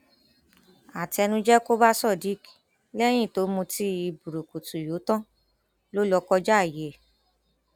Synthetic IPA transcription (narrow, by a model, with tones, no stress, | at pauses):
a˨ti˧ɛ˧nũ˧d͡ʒɛ˦ko˦ba˦sɔ˦˨di˨˦k | lɛ˦j̃ĩ˦˨to˨˦mõ˧ti˦i˧bu˨ɾo˨ko˨tu˨jo˨˦tã˦ | lo˦lɔ˧kɔ˧d͡ʒa˦˨je˨